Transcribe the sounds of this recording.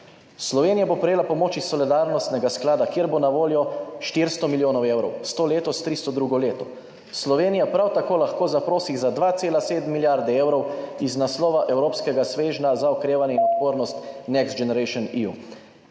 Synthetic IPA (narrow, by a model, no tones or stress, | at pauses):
slɔʋeːnijabopɾɛjeːlapɔmoːt͡ʃisɔlid̪aɾnɔst̪nɛɡasklaːd̪akjeːɾbonaʋoːljɔʃt̪iɾst̪ɔmiljoːnɔwewɾɔwst̪oːleːt̪ɔst̪ɾist̪ɔd̪ɾuːɡɔleːt̪ɔ | slɔʋeːnijapɾawt̪akoːlaxkoːzapɾoːsixzad̪ʋaːt̪seːlaseːd̪mːiljaɾd̪ɛeːwɾɔwiznaslɔːʋaʔɛwɾoːpskɛɡasʋeːʒnazaɔkɾeːʋanjɛinɔt̪poːɾnɔst̪nɛksd͡ʒɛnɛɾɛjʃɔniṵ